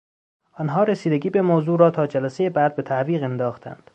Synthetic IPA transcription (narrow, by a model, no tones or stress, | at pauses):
ʔɒːnɦɒːɾesiːd̪eɟiːbemoːzuːɾɒːt̪ʰɒːd͡ʒælæsejebæd̪̚bet̪ʰæʔviːɣend̪ɒːxt̪ʰæ̰nd̪̥